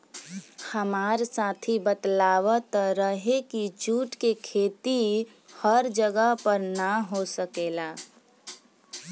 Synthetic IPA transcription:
həmaːɾsaːt̪ʰibət̪laːwət̪ɾəɦekit͡ʃuːʈkekʰeːt̪i | həɾd͡ʒəɡəɦpəɾnaɦosəkeːlaː

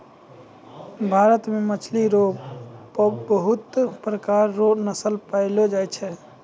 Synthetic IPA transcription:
bʱaɾət̪memət͡ʃʰliɾo | bəɦut̪pɾəkaɾːonəsəlpaɪlod͡ʒajt͡ʃʰɛ

